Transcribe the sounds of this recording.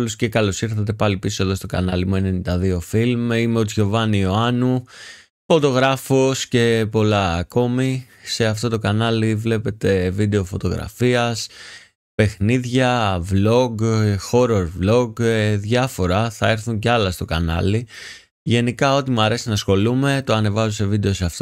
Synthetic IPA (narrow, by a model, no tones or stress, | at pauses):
lusce̞kɐlo̞siɾθɐt̪e̞pɐlipisoe̞ðo̞st̪o̞kɐ̰nɐlimue̞nenind̪ɐðio̞filmimeot͡sʝo̞vɐnioɐnu | fo̞t̪o̞ɣɾɐfosce̞po̞lɐːko̞mi | se̞ɐft̪o̞t̪o̞kɐnɐlivle̞pe̞t̪e̞vid̪e̞o̞fo̞t̪o̞ɣɾɐ̰fiɐs | pe̞xniðʝɐvlo̞ɡxo̞ɾoɾvlo̞ɡeðʝɐfo̞ɾɐθɐe̞ɾθuɲceɐlɐst̪o̞kɐnɐ̰li | ʝe̞nikɐo̞t̪imuɐɾe̞sinɐsxo̞lume̞t̪o̞ɐne̞vɐzuse̞vid̪e̞o̞seɐft̪o